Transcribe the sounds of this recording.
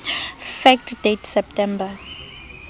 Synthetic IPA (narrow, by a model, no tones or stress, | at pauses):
fɛk̚tʰdetʰsɛp̚tʰɛmba